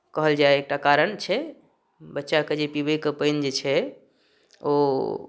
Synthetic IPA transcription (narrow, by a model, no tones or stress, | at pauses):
kəɦəld͡ʒaeek̚ʈakaɾəɳt͡ʃʰɛ | bətːʃaked͡ʒepibəjkəpəjnd͡ʒet͡ʃʰɛ | o̰